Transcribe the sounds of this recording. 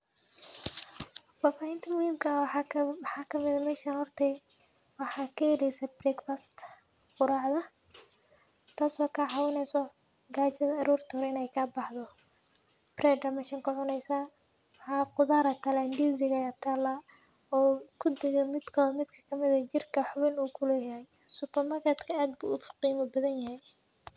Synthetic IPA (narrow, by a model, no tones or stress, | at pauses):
faːfaːhɪnt̪ʰɐmʊhiːmkʰɐ | ħɑːkʰɐmɪðɐmɛːʃanhɔrt̪ʰɛ | wɑħɑːkʰɐhɛlɛjsɐbrɛkfast̪ | qʊɾaːʕðɐ | t̪ʰaːsɔːkʰɐʕɑwɪnɛjsɔ | ɡaːt͡ʃɐðɐɐɾuːrt̪ʰɔɾɛɪnɛjkʰɐbɑħðɔ | brɛːɖɐmɪʃɪŋkʰʊʕʊnɛjsa | wħɑːqʊðaːɾɐt̪ʰɐlɐnd̪iːsɪɣɐt̪ʰaːlɐ | ɔːkʰʊd̪ɛɣɛmɪd̪kʰɐmɪd̪kʰɐ̥kʰɐmɪðɐt͡ʃɪrkʰɐħʊβɪnuːkʰʊlɛːjɐɦɛj | sʊpɐrmaːrkʰɛt̪kʰɐaːd̪̚bṵːʊfʊ̥qiːmɐbɐðɐnjɐɦɛj